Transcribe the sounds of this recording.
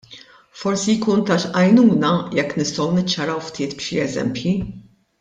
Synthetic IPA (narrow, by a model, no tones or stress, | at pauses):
fɔɾsijkuːnt̪ɐʃʔɐjnuːnɐjɛkːnɪst̪ɔwnɪt͡ʃːɐɾɐwft̪ʰɪːt̪pʃɪɛzɛ̰mpji